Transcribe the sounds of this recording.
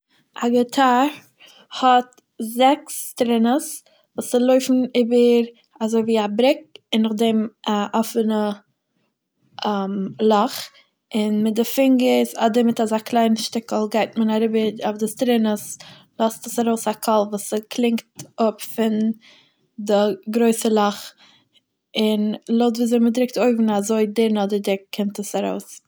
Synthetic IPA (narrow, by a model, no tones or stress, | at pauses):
aɡətʰaɾ | hɔt | zɛkstɾɪnəs | vuːsɪlˠoɪfn̩ɪːbəɾ | azoɪviːabɾɪk̚ɪnːʊχdɛmaʔɔfənə | mlˠɔχ | ɪnmɪt̚dɪfɪŋɡəsadɪmɪtazaklˠaɪnəʃtɪkl̩ˠɡaɪtmənaɾɪbəafdɪstɾɪnəs | lˠɔstəsaɾoʊsakʰɔlˠvuːsəkʰlˠɪŋktʊpfɪn | dɪɡɾoɪsəlˠɔχ | ɪnlˠoʊtviːzeɪmədɾɪk̚toɪvn̩azoɪdɪɾnɔdədɪk̚kʰːɪmtəsaɾoʊs